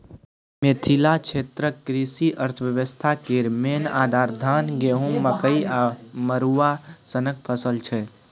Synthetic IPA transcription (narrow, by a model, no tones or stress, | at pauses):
met̪ʰilat͡ʃʰet̪ɾəkɾisiʔəɾt̪ʰəʋjəʋəst̪ʰakeɾmenad̪ʱaɾd̪ʱənɡeɦũmːəkəiaməɾuasənək̚pʰəsəlt͡ʃʰɛ